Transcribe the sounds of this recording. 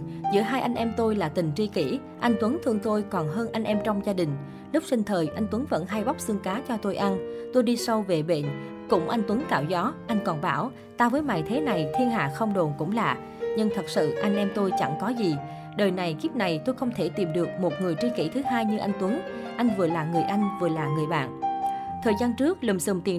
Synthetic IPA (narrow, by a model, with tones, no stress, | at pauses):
zɨ̰˧˥əɦaː˧jʔa˧ŋ̟ʔɛ˧mt̪o˧jlaː˨˩t̪ï˨˩ŋ̟t͡ɕi˧kḭ˧˩ | ʔa˧jŋ̟t̪wə˨˦nt̪ʰɨ˧əŋt̪o˧jkɔ˨˩nɦəː˧nʔa˧jŋ̟ʔɛ˧mt͡ɕɔ˧wŋ͡mzaː˧ɗï˨˩ŋ̟ | lʊ˦˥k͡p̚si˧ŋ̟t̪ʰəː˨˩jʔa˧jŋ̟t̪wə˨˦ŋvə̰˧˥nɦaː˧jɓa˦˥wk͡p̚sɨ˧əŋkaː˨˦t͡ɕɔ˧t̪o˧jʔa˧nt̪o˧jɗi˧sa˧wve˨˩ɓḛ˧˨n | kʊ̰˧˥ŋ͡mʔa˧jŋ̟t̪wə˨˦ŋkaː˧˩wzɔ˨˦ʔa˧jŋ̟kɔ˨˩nɓaː˧˩w | t̪aː˧vəː˨˦jma̰ː˧˨jt̪ʰe˨˦na˨˩jt̪ʰi˧ənɦa̰ː˧˨xə˧wŋ͡mɗo˨˩nkʊ̰˧˥ŋ͡mlaː˨˩ | ɲɨ˧ŋt̪ʰə˨˩t̚sɨ̰˧˨ʔa˧jŋ̟ʔɛ˧mt̪o˧jt͡ɕa̰˧˩ŋkɔ˨˦zi˨˩ | ɗəː˨˩jna˨˩jki˦˥p̚na˨˩jt̪o˧jxə˧wŋ͡mt̪ʰe˧˩t̪i˨˩mɗɨ˨˩ək̚mo˨˩t̚ŋɨ˨˩əjt͡ɕi˧kḭ˧˩t̪ʰɨ˨˦ɦaː˧jɲɨ˧ʔa˧jŋ̟t̪wə˨˦n | ʔa˧jŋ̟vɨ˨˩əlaː˨˩ŋɨ˨˩əjʔa˧jŋ̟vɨ˨˩əlaː˨˩ŋɨ˨˩əjɓa̰ː˧˨nʔt̪ʰəː˨˩jzaː˧nt͡ɕɨ˦˥ək̚lə˨˩msɨ̰˨˩mt̪i˨˩ə